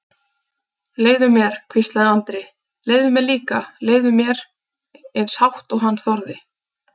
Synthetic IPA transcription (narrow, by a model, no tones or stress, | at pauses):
leːjðʏmjɛɾ̥kʰvist̪laðɪant̪ɾɪ | leːjðʏmjɛɾliːkaleːjðʏmjɛɾ | ɛnshawht̪ɔɦanːθɔɾðɪ